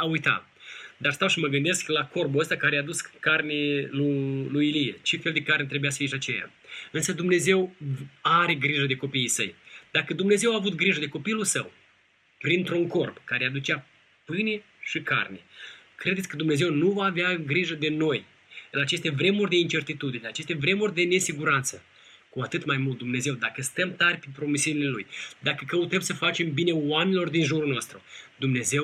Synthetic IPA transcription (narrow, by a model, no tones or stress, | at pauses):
aujt̪a̰ | d̪arst̪awʃiməɡɨnd̪e̞sklako̞rbuəst̪akaɾeaːd̪uskarneluluilijḛt͡ʃe̞feld̪e̞karnet̪ɾe̞bujasə̥fiʃʲat͡ʃḛja̰ | ɨnsəd̪umne̞ze̞waɾe̞ɡɾiʒəd̪e̞ko̞pijisə̰jd̪akəd̪umne̞ze̞waːvut̪ɡɾiʒəd̪e̞ko̞pilusəw | pɾint̪ɾuŋko̞rbkaɾead̪ut͡ʃa | pɨne | ʃika̰rne̞kɾed̪et̪sʲkəd̪umne̞ze̞wnuvaːveaɡɾiʒəd̪e̞no̞j | ɨnat͡ʃe̞st̪e̞vɾe̞murʲd̪e̞int͡ʃe̞rt̪it̪ud̪ineat͡ʃe̞st̪e̞vɾe̞murʲd̪e̞ne̞siɡuɾant̪sə | kuat̪ɨt̪majmult̪̚d̪umne̞ze̞wd̪akəst̪əmt̪arʲpepɾo̞misiunile̞lujd̪akəkəut̪əmsəfat͡ʃe̞mbine̞oamenilo̞rd̪inʒuɾunoast̪ɾud̪umne̞ze̞w